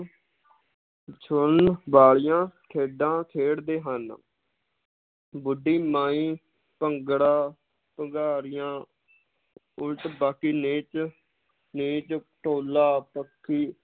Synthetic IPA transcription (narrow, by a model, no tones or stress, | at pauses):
t͡ʃʰʊnbaːɭɪjãːkʰeːɖãːkʰeːɽd̪eːɦən | bʊɖːiːmãːĩː | pəŋɡɽaː | pəɡaːɾɪjãː | ʊlt̪baːkiːneːt͡ʃ | niːt͡ʃʈoːlaːpəkʰːiː